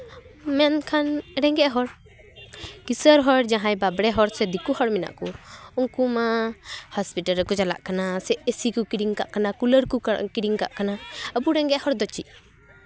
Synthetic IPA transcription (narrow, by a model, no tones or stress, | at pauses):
mɛnkʰanɾɛŋɡɛʔɦɔɾ | kisəɾɦɔɽd͡ʒãɦãjbabɽɛɦɔɾsɛd̪ikuhɔɽmɛna̰ʔkuuŋkumahɔspiʈaɾəkɔd͡ʒala̰ʔkanasɛʔəsikukiɾiŋka̰ʔkanakuləɾkukiɽiŋka̰ʔkanaəbuɾɛŋɡɛʔhɔɾd̪ɔt͡ʃḭʔ̚